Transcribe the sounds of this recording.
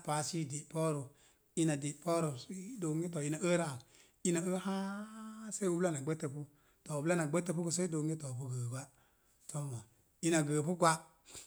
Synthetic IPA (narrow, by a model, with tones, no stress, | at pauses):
pa˨si˦˨de˨pɔ˦ɾu˨ | i˦na˨de˨pɔ˦ɾu˨˦do˨ŋɡi˦tɔ˨i˦na˨ə˦ɾa˨ŋ˨ | i˦na˨ə˦hã˦se˦u˦bla˦na˨ɡ͡bə˦tːə˨pu˦ | tɔ˨u˨bla˦na˨ɡ͡bə˦tə˦pu˦ku˨s̬e˦do˨ŋɡe˦tɔ˨bu˦ɡəː˨ɡʷa˦ | tɔ˦mɔ˨ | i˦na˨ɡə˨pu˦ɡʷa˦